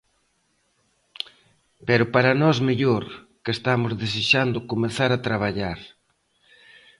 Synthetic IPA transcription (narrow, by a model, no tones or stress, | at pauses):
peɾʊpaɾanɔzmeʎoɾ | kest̪amʊzðeseʃand̪ʊkomeθaɾat̪ɾaβ̞aʎaɾ